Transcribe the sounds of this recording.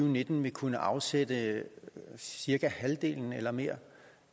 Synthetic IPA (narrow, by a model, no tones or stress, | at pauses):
ʊne̝d̥n̩ʋe̝kʰunəʔɑ̈ʊsed̥ə | siɐɡ̥æhæld̥e̝̰ːln̩elɐme̝̰ɐ̰